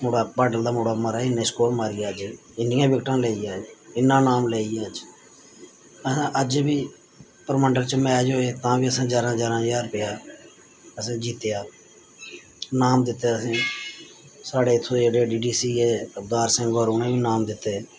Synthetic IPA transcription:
moːɽaːbaːɖəld̪aːmoːɽaːmaːɾaːɪnːẽːskoːlmaːɾɪːjaːəd͡ʒ | ɪnɪjãːbɪkʈãːleːijaːd͡ʒɪnːãːnaːmleːijaːd͡ʒ | əsãːʔəd͡ʒbiː | pəɾməɳɖəɾt͡ʃmɛ̃ːd͡ʒɦoːeːt̪ãːbiːəsãːd͡ʒaːɾãːd͡ʒaːɾãːd͡ʒaːɾpeːaː | əsãːd͡ʒiːt̪jaː | naːmd̪ɪt̪ːeːəsẽː | saːɽeːɪt̪ʰːoːd͡ʒeɽeɖiːɖiːsiːeːəb̚d̪aːɾsə̃ŋɡoəɾuːnẽːiːnaːmd̪ɪt̪ːeː

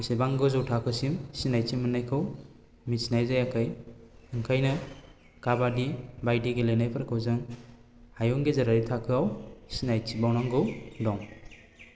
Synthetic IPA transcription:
sebaŋɡɯzɯwtʰakʰɯsimsinajt͡ʃimɯnajkʰɯw | misinajzajakʰajɯŋkʰajnɯ | kabadibajdiɡelejnajpʰaɾkʰɯwzɯŋ | hajuŋɡezaɾaɾitʰakʰɯawsinajt͡ʃibawnaŋɡɯdɔŋ

